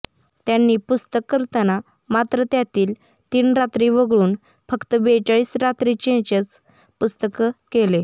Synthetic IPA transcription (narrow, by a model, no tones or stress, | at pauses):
t̪janːiːpust̪əkːəɾt̪ana | mat̪ɾət̪jat̪iːl | t̪iːnɾat̪ɾiʋəɡɭuːn | fəkt̪əbet͡ɕaɭiːsɾat̪ɾit͡ɕed͡ʑət͡s | pust̪əkkele